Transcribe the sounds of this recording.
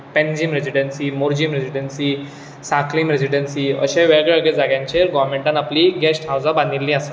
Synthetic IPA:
pẽnd͡ʑiːmɾed͡ʑiɖənsiːmoɾd͡ʑimɾed͡ʑiɽənsi | saklimɾed͡ʑiɖənsiːə̰ɕẽʋɛɭɡɭeəɡed͡zaɡjãɲt͡ɕeɾɡɔʋɾmẽɳʈãnapliɡɛsʈɦawd͡zabãnd̪ilːĩasa

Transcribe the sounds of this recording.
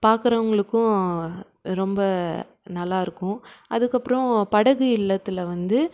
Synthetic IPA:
paːɾkɯɾɐʋɐŋɡɐɭɯkːʊ̃ | ɾɔmbɐ | nɐlːaːɪɾɯkːʊ̃ʔɐðɯkːɐpːɾɔ̃pɐɽɐɣɯɪɭːɐt̪ːɯlʋɐnd̪ɯ

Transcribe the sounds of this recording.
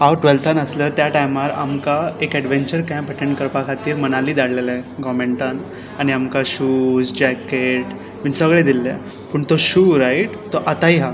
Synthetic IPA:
ɦawʈʋelt̪ʰanəsləːt̪jaʈajmaɾa̰mkaekɛɽʋeɲt͡ɕəɾkãpəʈẽɳʈ̚kəɾpakʰat̪iːɾmənaliːd̪aɽleleɡɔmeɳʈan | aɽ̃iamkaɕuːsd͡ʑɛkeʈ | miɳsəɡɭed̪ilːe | puːɳt̪oɕuːɾajʈt̪ɔʔat̪aɦiɦa

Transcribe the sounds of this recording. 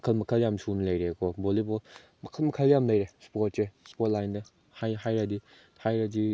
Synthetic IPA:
kʰɐlmɐkʰɐljamsunlɐjɾekʰɔbolibɔl | mɐkʰɐlmɐkʰɐljamlɐjɾespɔt̚sespɔt̚lajnde | hajɦajɾɐdi | hajɾɐdi

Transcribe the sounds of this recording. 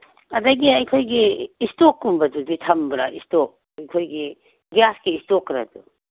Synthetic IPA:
ɐdɐɡiɐjkʰojɡiːstokːumbɐduditʰɐmbɾa̰ʔḭstɔk̚ | ɐjkʰojɡi | ɡijaskeistokːɾɐ̰du

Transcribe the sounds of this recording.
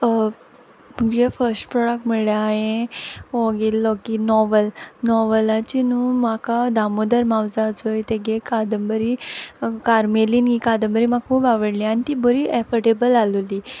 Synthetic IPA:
məɡd͡ʑefəɾsʈpɾɔɽək̚miɭjaːɦẽ | oɡelːɔkinɔʋəlnɔʋəlat͡ɕinumakad̪amud̪əɾmawd͡zad͡zojt̪eɡekad̪əmbəɾikaɾmeliːnkikad̪əmbəɾiːmakʰuːpaʋəɽlianit̪iːbəɾiʔefəʈebəlaluli

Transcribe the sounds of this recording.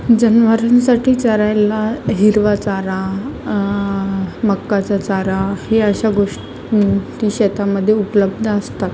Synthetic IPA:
d͡zənʋəɾansaʈʰiːt͡səɾajlaɦiɾʋat͡saɾa | məkːat͡sat͡saɾaheəɕaɡoʂ | t̪iːɕɛt̪aməd̪ʱːjeupləb̚d̪ʱəəst̪at̪

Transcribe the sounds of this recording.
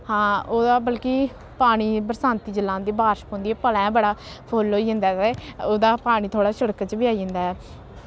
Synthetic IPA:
hãːoːd̪aːbəlkeː | paːɽ̃iːbəɾsãːnt̪iːd͡ʒəlːãːnd̪iːbaːɾʃkɦõːnd̪iːɛːpəlɛ̃ːbəɽaː | pʰoːlːoːiːɦɪ̃nd̪aːt̪eːoːd̪aːpaːɽ̃iːt̪ʰoːɽaːʃəɽkət͡ʃbɪaːiːɦɪ̃nd̪aːɛː

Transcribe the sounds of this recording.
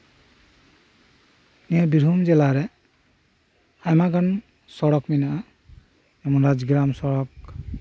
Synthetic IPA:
niabiɾumd͡ʒɛlaɾɛ | ajmaɡɔn | sɔɽɔkminaʔa | ɛmɔnɾad͡ʒɡɾamsɔɽɔk

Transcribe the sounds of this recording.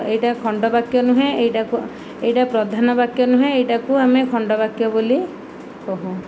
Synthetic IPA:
ejʈakʰɔɳɖɔbakjɔnuɦẽejʈaku | ejʈapɾɔd̪ʱanɔbakjɔnuɦẽejʈakuamekʰɔɳɖɔbakjɔboli | kɔɦu

